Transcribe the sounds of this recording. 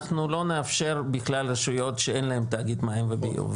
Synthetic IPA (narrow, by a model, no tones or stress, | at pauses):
χnulo̞neafʃe̞ɾbiχlalreʃujo̞tʃeenlaemt̪aɡid̪maimvebḭṵv